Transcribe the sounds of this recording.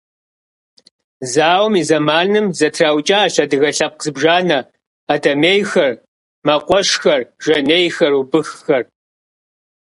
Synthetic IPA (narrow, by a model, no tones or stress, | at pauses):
zaːwmiːzɐmaːnɨmzɐtʰraːwt͡ʃʼɐːɕɐdɨɣɐɬɐp̚qzɨbʒaːnɐː | dʰɐmeːjxɐr | mɐqʷʼɔʂxɐrʒɐneːjxɐrubɨxːɐr